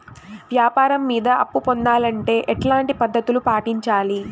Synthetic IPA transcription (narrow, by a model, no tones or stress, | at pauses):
ʋjaːpaːɾɐmːiːd̪ɐʔɐpːupond̪aːlɐɳʈe̞ːʔɛʈlaːɳʈipɐd̪ːɐt̪ulupaːʈiɲt͡ʃaːli